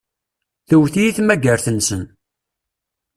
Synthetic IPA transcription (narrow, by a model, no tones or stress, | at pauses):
θəwθijiθmæɡəɾθənsən